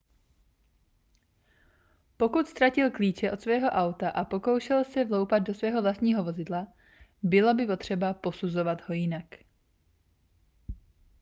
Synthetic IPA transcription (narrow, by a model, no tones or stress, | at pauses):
po̞kut̪st̪ɾacɪlkliːt͡ʃɛʔo̞t̪svɛːɦo̞ʔawt̪aʔapo̞ko̞wʃɛlsɛvlo̞wpad̪̚do̞svɛːɦo̞vlast̪ɲiːɦo̞vo̞zɪdla | bɪlobɪpo̞t̪r̝̥ɛbapo̞suzo̞vad̪ho̞jɪnak